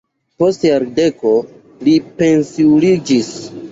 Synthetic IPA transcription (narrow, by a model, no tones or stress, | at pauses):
po̞stjaɾde̞ko̞ | lipe̞nsiulid͡ʒis